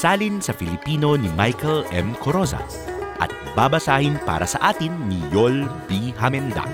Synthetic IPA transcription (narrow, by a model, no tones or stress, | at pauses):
saːlinsɐfilɪpiːno̞nimajkɐlʔɛmkʰoɾosa̰ | ʔɐ̰t̪̚babɐsaːhɪnpa̰ːɾɐ̰sɐʔaːt̪ɪnːijolbiɦamɛnd̪a̰